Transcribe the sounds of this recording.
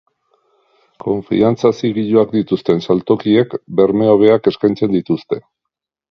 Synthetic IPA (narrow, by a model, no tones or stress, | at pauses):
ko̞ɱfḭant͡sasiɣiʎoakd̪it̪ust̪e̞nsalt̪o̞kie̞kbe̞ɾme̞oβ̞e̞ake̞skajnt͡se̞nd̪it̪ust̪e̞